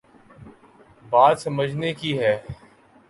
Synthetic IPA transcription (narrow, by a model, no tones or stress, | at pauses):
baːd̪sɐməd͡ʒʱnekiɦɛː